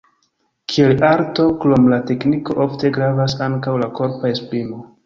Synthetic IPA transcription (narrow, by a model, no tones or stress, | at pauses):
kʰielaɾto̞klomlate̞kniko̞ʔo̞fte̞ɡɾavasaŋkawlako̞ɾpaesplimo̞